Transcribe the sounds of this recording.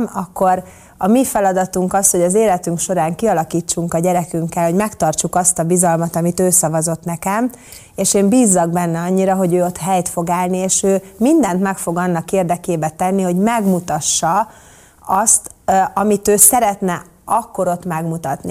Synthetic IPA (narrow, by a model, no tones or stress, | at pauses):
mɒkːo̞ɾ | ɒmifɛlɒd̪ɒt̪uŋkɒsho̞ɟɒzeːlɛt̪yŋkʃo̞ɾaːŋkiɒlɒkiːt͡ʃːuŋkɒɟɛɾɛkyŋkːɛlho̞ɟmɛkt̪ɒrt͡ʃukɒst̪ɒbizɒlmɒt̪ɒmit̪øːsɒvɒzo̞t̪nɛkɛm | eːʃeːmbiːzːɒɡ̚bɛnːɛɒɲːiɾɒɦo̞ɟøːo̞t̪ɦɛjt̪fo̞ɡaːlnieːʃøːmind̪ɛnt̪mɛkfo̞ɡɒnːɒkeːrd̪ɛkeːbɛt̪ɛnːiho̞ɟmɛɡmut̪ɒʃːɒ | ɒst̪ɒmit̪øːsɛɾɛt̪nɛ | ɒkːoɾo̞t̪mɛɡmut̪ɒt̪ni